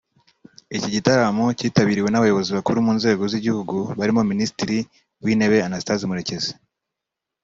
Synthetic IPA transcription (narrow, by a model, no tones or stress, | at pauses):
iciɟitaɾamociːtaβiːɾiwe̞naβajo̞βo̞ziβakuɾumuːnze̞ːɡo̞ziɟihuɡuβaɾimo̞minisitiɾi | wiːne̞βe̞anasi̥tazimuɾe̞ce̞ze̥